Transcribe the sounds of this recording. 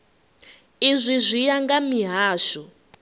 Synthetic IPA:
izʷizʷijaŋɡamiɦaːʃɔ

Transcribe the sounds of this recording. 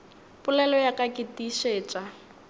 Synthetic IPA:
pʼʊlɛlɔjakʼakʼɪtiʃeːt͡ʃʼa

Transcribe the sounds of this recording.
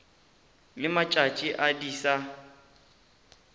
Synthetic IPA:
lɪmat͡ʃʼat͡ʃʼiʔadiːsa

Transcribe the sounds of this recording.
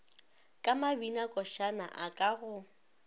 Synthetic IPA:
kʼamabinakʼɔʃana̰ʔakʼaɣʊ

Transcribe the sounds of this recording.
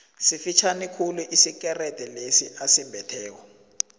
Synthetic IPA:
sifit͡ʃʰanikʰuluʔisik̬ɛrɛd̥ʱɛlesiʔasimbʱɛtʰɛːk̬ɔ

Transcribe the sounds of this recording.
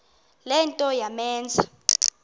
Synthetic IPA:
lɛntʼɔjamɛːnd͡zʱḁ

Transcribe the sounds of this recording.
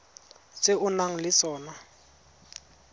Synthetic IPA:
t͡sʼɪʔʊnaŋ̩lɪsɔːna

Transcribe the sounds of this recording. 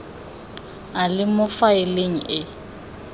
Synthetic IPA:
alɪmʊfaeleŋ̩ʔɪ

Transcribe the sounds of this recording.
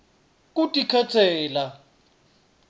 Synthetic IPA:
k̬ʼutʼikʰatʰɛːla

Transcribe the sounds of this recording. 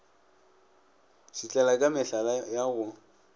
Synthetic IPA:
ʃit͡ɬʼɛlakʼamɪɬalajaɣʊ

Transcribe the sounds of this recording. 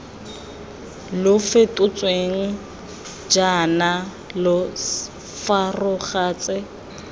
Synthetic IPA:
lʊfetʼʊt͡sʼweŋ̩ | d͡ʒana | lʊ | farʊχaːt͡sʼɪ

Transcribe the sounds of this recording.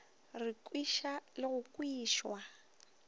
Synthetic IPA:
rɪkʼwiʃalɪɣʊkʼwiːʃwa

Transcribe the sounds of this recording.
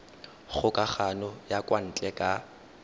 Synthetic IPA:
χʊkʼaχanɔjakʼwan̩t͡ɬʼɛkʼa

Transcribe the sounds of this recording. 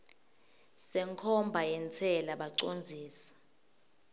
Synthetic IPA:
sɛŋkʰɔmbʱajɛnt͡sʰɛlaɓaǀond͡zʱiːsḁ

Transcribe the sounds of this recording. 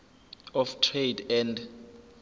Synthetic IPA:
ɔftʰredɛnd

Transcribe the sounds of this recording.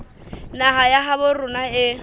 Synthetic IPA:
naɦajaɦabʊrʊnaɪ

